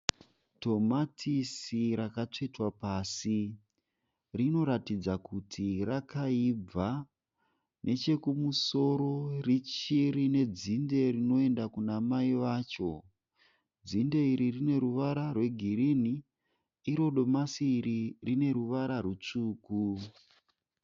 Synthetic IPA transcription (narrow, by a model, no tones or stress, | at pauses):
to̞matʰisiɾakat͡ʂetwapaːsi | rino̞ɾatid͡zakutʰirakaib͡va | nʔe̞t͡ʃe̞kumuso̞ɾo̞rit͡ʃirine̞d͡zinde̞rino̞e̞ndakunamaiʋaːt͡ʃo̞ | d͡zinde̞iɾirine̞ɾuʋaɾarwe̞ɡʱiɾiniː | ɾo̞ɗo̞masiːɾirine̞ɾuʋaɾarut͡ʂuːku